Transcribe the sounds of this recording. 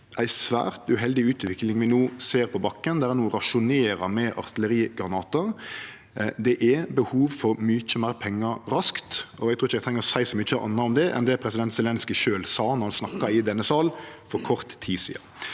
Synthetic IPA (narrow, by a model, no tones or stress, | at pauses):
ʔæɪsʋæ̰ːɾt̪ʉɦɛld̪ɪʉːt̪ʋɪklɪŋʋɪnuːseːɾpʰɔbɑkːənd̪ɛæɾnuːɾɑʂʊneːɾɑmɛʔɑ̰ʁt̪ʰɪləɾiːɡɾɑnɑːt̪əɾ | d̪ɛʔæbəhuːʋfɔɾmʏt͡ʃːəmæɪɾpʰɛŋːɑɾɑskt̪ɔɛɡt̪ʰuːɪçəɛt̪ʰɾɛŋəɾɔsæɪsɔmɪt͡ʃːəʔɑ̰nːɑɔmd̪ɛʔɛ̰nd̪ɛæɾpʰɾɛsɪd̪ɛnt̪sɛlɛnskəʃøːlsɑːnɔhɑnsnɑkːɑɪd̪ɛnːəsɑːl | fɔɾkʰɔʁt̪ʰːiːsḭːɑ̰